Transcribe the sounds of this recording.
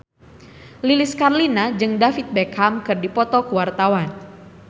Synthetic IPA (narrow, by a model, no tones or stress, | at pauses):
liliskarlinad͡ʒɨŋdafit̪̚bɛkamkɨrdipɔt̪ɔkuwart̪awan